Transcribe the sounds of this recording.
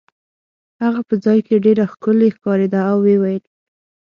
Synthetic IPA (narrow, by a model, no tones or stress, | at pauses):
haɣapəd͡zɑjkeɖeɾaxkəlexkɑɾed̪aːwːewajəl